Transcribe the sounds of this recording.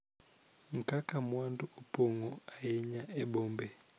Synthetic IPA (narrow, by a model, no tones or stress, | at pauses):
ŋ̩kakʼamwanduupʼɔŋɔajɛɲaɛɓɔːmbɛ